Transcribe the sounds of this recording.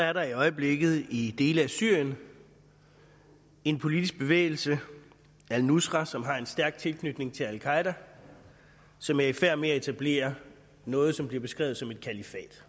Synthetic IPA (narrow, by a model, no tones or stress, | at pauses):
sɒ̽æɐɾɑ̈iɒ̽ɪəb̥le̝ɡ̥ð̞̩ˠid̥e̝ːləæsyɐ̰jən | e̝npʰo̝lid̥isɡ̥̚b̥e̝ʋḛːɪl̩sə | ælnusʁɑsɒ̽mɦɑ̈e̝nsd̥æɐɡ̥̚t͡sʰe̝lkʰnyd̥ne̝ŋt͡sʰe̝lælkʰɑ̈ɪd̥æ | sɒ̽mæɐifæɐ̰meæe̝t͡sʰæb̥le̝̰ːɐ | nɔ̽ːð̞̩ˠsɒ̽mb̥liɐb̥e̝sɡ̥ʁɛ̰ːʊð̩ˠsɒ̽me̝d̥̚kʰælifɛ̰ːd̥